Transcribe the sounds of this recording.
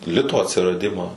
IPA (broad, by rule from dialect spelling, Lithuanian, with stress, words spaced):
ˈlʲɪtoː ɐtʲsʲɪrɐˈdʲɪmɑː